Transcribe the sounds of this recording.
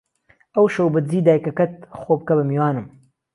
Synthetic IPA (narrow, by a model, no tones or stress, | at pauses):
ɐwʃowbɨd͡ziːd̪aːjkɐkɐt̪̚xoːb̚kɐbɨmiwɑːnɨm